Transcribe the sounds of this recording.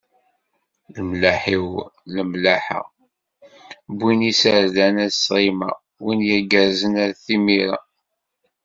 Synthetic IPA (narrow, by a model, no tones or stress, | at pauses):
ləmlaħiwləmlaħə̰ | bʷːinisəɾðænæðsʁima̰ | winjæɡæɾzənæɾθimiɾa̰